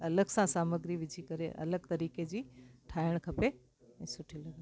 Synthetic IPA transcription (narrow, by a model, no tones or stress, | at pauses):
ɐləɡsãsaːməɡɾiʋɪd͡ʑʱikɐɾḛʔɐ̰ləɡ̚t̪ɐɾiːked͡ʑiːʈʰaːɪəɽ̃kʰɐpe | ɛ̃ːsʊʈʰilɐɡən